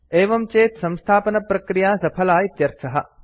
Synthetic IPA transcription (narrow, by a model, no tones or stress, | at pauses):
eːʋɐmt͡ʃeːt̪sɐmst̪ʰaːpɐnɐpɾɐkɾijaːsɐpʰɐlaːjit̪jɐɾt͡ʃʰɐɦɐ